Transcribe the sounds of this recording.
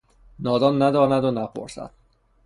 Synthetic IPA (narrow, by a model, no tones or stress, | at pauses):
nɒːd̪ɒːnːæd̪ɒːnæd̪onæpʰo̰ɾsæ̰d̪̥̚